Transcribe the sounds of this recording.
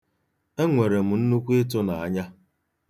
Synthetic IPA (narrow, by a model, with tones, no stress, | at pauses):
e˦ŋʷe˨ɾe˨m̩˨n̩˦nu˦kʷu˦e˦t̬ʊ˦na˨a˦ɲa˦